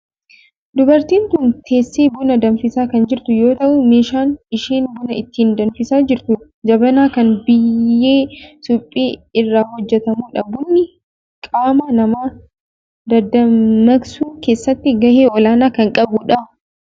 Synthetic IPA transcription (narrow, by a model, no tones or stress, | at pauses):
d̪ʊbɐɾt̪iːnt̪ʊnt̪ʰe̞ːsːeːbʊnɐd̪ɐnfɪsaːkɐnd͡ʒɪɾt̪ʊjo̞ːt̪ɐʔʊmeːʃaːnɪʃeːnbʊnɐɪt̪ːiːnd̪ɐnfɪsaːd͡ʒɪɾt̪ʊ | d͡ʒɐbɐnaːkɐnbɪjːeːsʊpʼːeːɪrːaːhɔd͡ʒːɛt̪ɐmuːᶑɐbʊnːɪ | kʼaːmɐnɐmaː | d̪ɐd̪ɐmɐɡsuːke̞ːsːɐt̪ːɪɡɐheːʔɔlaːnaːkɐŋkʼɐbʊᶑɐ